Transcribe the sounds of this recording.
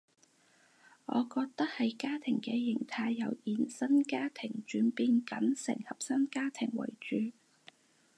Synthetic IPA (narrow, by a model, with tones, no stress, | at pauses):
ŋɔ̰ː˨˧kɔː˧k̚t̪ɐ˥k̚hɐ˨jkaː˥t̪ʰɪ˨˩ŋkɛː˧jɪ˨˩ŋt̪ʰaː˧jːɐ˨˧wjiː˨˧nsɐ˥nkaː˥t̪ʰɪ˨˩ŋt͡ʃyː˨˥npiː˧nkɐ˨˥nsɪ˨˩ŋhɐ˨p̚sɐ˥nkaː˥t̪ʰɪ˨˩ŋwɐ̰˨˩jt͡ʃyː˨˧